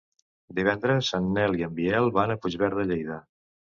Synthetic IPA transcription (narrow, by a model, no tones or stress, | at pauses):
d̪iβ̞ɛnd̪ɾəsːanːɛliəmbiɛlˠβanəpud͡ʒβɛɾðəʎejðə